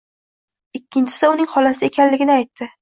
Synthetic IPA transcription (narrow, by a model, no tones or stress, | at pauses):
ɪkʲːɪnt͡ʃʰɪ̥sɪʊnɪŋhɒlasɪe̞kʲʰanlɪɡʲɪnɪajt̪ʰːɪ